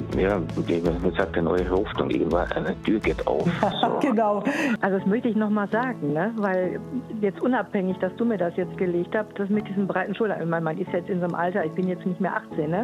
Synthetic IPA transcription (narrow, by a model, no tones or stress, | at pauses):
jaːemɪshaːk̚d̥ɛɐnɔ̰ʏəhɔftʊŋʔɪ̰ːɡən̩tv̥a̰nʔa̰ɪnəd̥yːɐɡɛta̰ʊfz̥̰ːɡ̥ənaʊʔalzodasmœçtəɪçnɔχmaːlzaːɡŋ̩nəvaɪljɛt͡stʔʊnaphɛŋɪçd̥asd̥uːmiːɐdasjɛt͡st̚ɡ̥əleːçthassd̥as̬mɪtdiːzn̩bʁaɪtn̩ʃʊla̰ŋçmaɪnmanʔɪstjajɛt͡stɪnzoːnəmʔaltɐɪçb̥ɪnjɛt͡stnɪçtmeːɐʔaχt͡seːnːə